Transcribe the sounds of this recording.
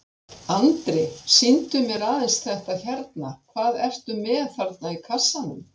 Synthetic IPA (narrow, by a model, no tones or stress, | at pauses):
ant̪ɾɪsint̪ʏmjɛɾaːðɛnsθɛht̪açɛɾt̪nakʰvaːðɛft̪ʏmːɛːðfaɾt̪naikʰasːanʏm